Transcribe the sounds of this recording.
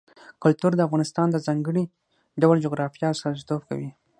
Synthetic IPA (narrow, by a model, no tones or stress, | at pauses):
kʊlt̪uɾd̪əafɣɑnɪst̪ɑnd̪əzɑŋɡəɽi | ɖawald͡ʒoɣɾɑfijɑsazit̪obka̰wi